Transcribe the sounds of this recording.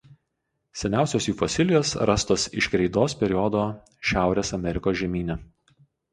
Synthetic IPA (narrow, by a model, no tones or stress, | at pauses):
sʲɛnʲæˑʊsʲoːsjuːfɔsʲɪlʲɪjoːsɾɐst̪oːsɪʃkɾʲɛɪd̪oːspʲɛɾʲɪjɔd̪oː | ʃʲæˑʊɾʲeːsɐmʲɛɾʲɪkoːsʒʲɛmʲiːnʲɛ